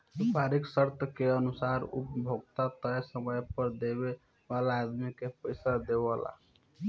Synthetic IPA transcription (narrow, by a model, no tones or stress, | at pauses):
supaɾiksəɾt̪ʰəkeənusaɾṵpbʱoɡt̪at̪əesəməjpəɾd̪ebe | balaːd̪mikepəjsad̪ebla̰